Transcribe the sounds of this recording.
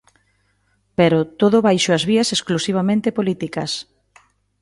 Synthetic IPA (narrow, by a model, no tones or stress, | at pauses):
peɾʊt̪oðʊβajʃʊɐzβiɐsesklusiβ̞amẽnt̪epolit̪ikɐs